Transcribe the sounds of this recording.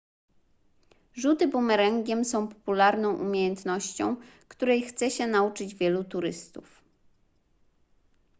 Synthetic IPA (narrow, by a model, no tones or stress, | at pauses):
ʐut̪ɘbumɛɾɛŋɡʲɛmsɔ̃w̃pɔ̥pulaɾnɔ̃w̃ʔumʲjejɛnt̪nɔɕt͡ɕɔ̰̃w̃kt̪uɾɛjxt̪sɛɕɛnaut͡ʂɘd͡ʑvʲjɛlut̪uɾɘst̪uf